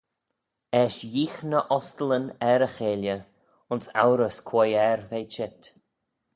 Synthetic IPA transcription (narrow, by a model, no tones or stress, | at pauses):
ɛʃjiːxnəʔɔstələnɛɾəxeːljə | ʊnsa̰wɾəskʰwɔjɛɾveːt͡ʃɪt̪